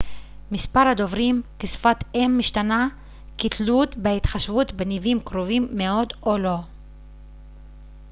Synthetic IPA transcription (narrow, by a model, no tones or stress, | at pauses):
mispaʁhad̪o̞vʁimkesfat̪emːiʃt̪ana | kit̪lut̪behit̪χaʃvut̪benivimkʁovimːeo̞d̪olo̞